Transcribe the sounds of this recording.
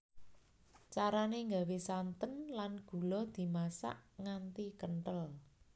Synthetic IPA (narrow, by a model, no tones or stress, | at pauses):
t͡ʃaɾaneŋɡawesant̪ənlanɡ̥ṳlɔd̪̥i̤masa̰ʔŋant̪ikəɳʈəl